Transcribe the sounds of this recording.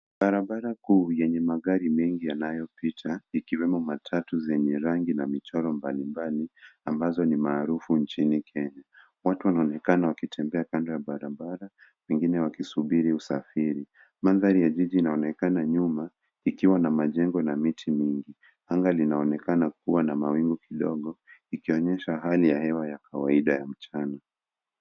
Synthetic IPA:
ɓaɾaɓaɾakuːjɛɲɛmaɠaɾimɛŋɡijanajɔpitʰaikiwɛmɔmatʰatuzɛɲɛɾaŋɡinamit͡ʃaɾɔmbalimbaliambazɔnimaːɾufunt͡ʃinikʰɛɲa | watuwanaɔnɛkanawakitʰɛmbɛakandɔjaɓaɾaɓaɾa | wɛŋɡinɛwakisuɓiɾiusafiɾi | manðaɾijaʄiʄiːnaɔnɛkanaɲuma | ikiwanamaʄɛŋɡɔnamitʰimiŋɡi | haŋɡalinaɔnɛkanak̚uwanamawiŋɡukiɗɔɠɔikiɔɲɛʃaɦalijahɛwajakʰawaiɗajam̩t͡ʃana

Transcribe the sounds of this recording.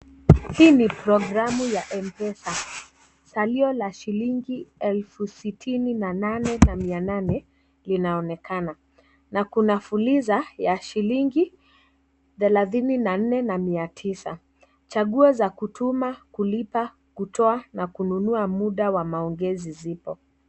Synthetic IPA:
hiːnipɾɔɡɾamujaʔɛmpɛsa | saliɔlaʃiliŋɡiɛlfusitʰininananɛnamiananɛ | linaɔnɛkʰana | nakunafulizajaʃiliŋɡi | θɛlaθininan̩nɛnamiatʰisa̰ | t͡ʃaɠuɔzakutʰumakulipa | kutʰɔanakununuamuɗawamaɔŋɡɛzizipɔ

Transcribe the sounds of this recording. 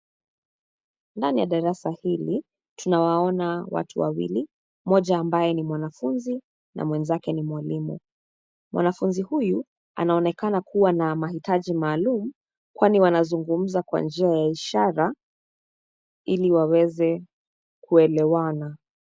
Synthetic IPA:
ndanijaɗaɾasahili | tunawaɔnawa̰tʰṵwa̰wḭli | mɔʄaːmbajɛnimwanafunzi | na̰mwɛnzakɛnimwalimṵ | mwʔa̰nafunzihuju | a̰naɔnɛkanakuwanamaɦitaʄimaːlumu | kwaniwanazuŋɡum̩zakwa̰nd͡ʒiajaiʃaɾa | iliwawɛzɛ | kuɛlɛwana

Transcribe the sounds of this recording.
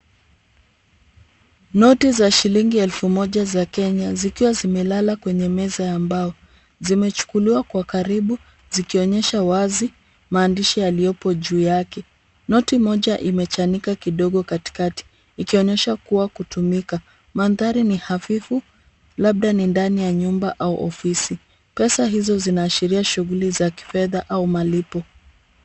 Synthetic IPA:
nɔtizaʃiliŋɡiɛlfumɔʄazakɛɲazikiwazimɛlalakwɛɲɛmɛzajambaɔ | zimɛt͡ʃu̥kuliwakwakaɾiɓu | zikiɔɲɛʃawazi | maːndiʃijalijɔpɔʄuːjakɛ | nɔtimɔʄaʔimɛt͡ʃanikakiɗɔɠɔkati̥kati̥ | ikiɔɲɛʃakuwakutumika | manðaɾinihafifu | laɓ̚ɗanindanijaɲumbaʔauʔɔfisi | pɛsaɦizɔzinaːʃiɾiaʃuɣulizaki̥fɛðaʔaumalipɔ

